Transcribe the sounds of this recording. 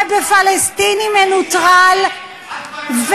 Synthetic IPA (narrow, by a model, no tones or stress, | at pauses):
bəfalɛst̪inimɛnut̪ʁal | v